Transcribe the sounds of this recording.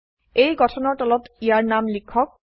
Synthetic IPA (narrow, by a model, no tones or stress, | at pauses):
ejɡɔʈʰɔnɔʈɔlɔt̪ijaɾnamlikʰːɔk̚